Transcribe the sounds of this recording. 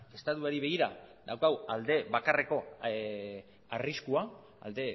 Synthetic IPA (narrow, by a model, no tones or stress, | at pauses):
e̞st̪at̪uaɾiβe̞ɣ̞iɾad̪awkawald̪e̞βakare̞ko̞ | ariskua | a̰ld̪e̞